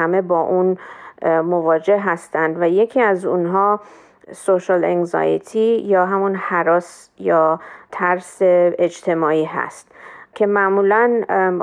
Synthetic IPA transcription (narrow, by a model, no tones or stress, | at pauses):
æme̞bɒːʔun | mo̞vɒːd͡ʒe̞ɦæst̪ænd̪væje̞cʰiæzunɦɒː | soʃɑleŋzɒ̰jḛt̪ʰijɒːɦæmunhæɾɒːs | jɒːt̪ʰæɾseed͡ʒt̪ʰe̞mɒːiːɦæ̰st̪cʰe̞mæmuːlæn